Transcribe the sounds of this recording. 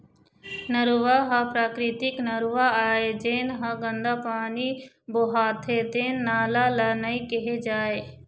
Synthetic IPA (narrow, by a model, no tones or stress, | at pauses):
nəɾuʋaɦapɾaːkɾɪt̪ɪknəɾuʋaaːed͡ʒeːnɦɐɡənd̪apaːni | boːɦaːt̪ʰet̪eːnːaːlalanəikɪɦed͡ʒaːe